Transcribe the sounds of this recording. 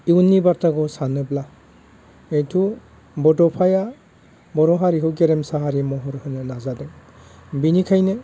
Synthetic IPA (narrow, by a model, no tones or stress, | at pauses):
iwnːibaɾtʰaɡɔsanɯbla | ejtʰu | bɔdɔpʰaja | bɔɾɔɦaɾiɦɯɡeɾɛmsaɦaɾimɔɦɔɾhɯnɯnazadeŋbinikʰajnɯ